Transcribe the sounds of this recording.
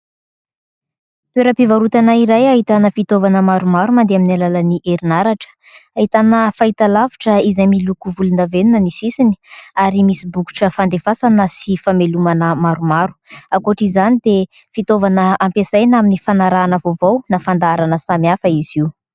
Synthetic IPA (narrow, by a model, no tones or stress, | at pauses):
t̪weɾəpivaɾut̪anaiɾajaɦit̪anəfit̪ovanəmaɾumaɾumand̪eaminalalaniʔeɾinaɾaʈ͡ʂə̥ | aɦit̪anəfait̪alaviʈ͡ʂəizajmilukuvulunavenunənisisini̥aɾimisibuku̥ʈ͡ʂəfand̪efasanasifamelumanəmaɾumaɾu̥akoʈ͡ʂizanid̪e | fit̪ovanəampesajnaminifanaɾaːnəvovownafand̪aaɾanəsamiafəiz̥iw